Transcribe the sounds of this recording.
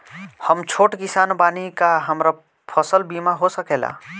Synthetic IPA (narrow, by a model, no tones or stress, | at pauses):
həmt͡ʃʰoʈkisanbanikaɦəmɾa | pʰəsəlbimaɦosəkela̰